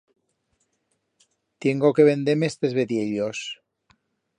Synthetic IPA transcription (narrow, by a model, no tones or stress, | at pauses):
t̪je̞ŋɡokeβe̞nd̪eɾmest̪e̞zβeðjeʎos